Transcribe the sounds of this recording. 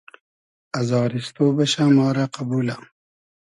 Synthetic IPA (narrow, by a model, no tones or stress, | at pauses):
azɑːɾist̪obaʃamɑːɾaqabula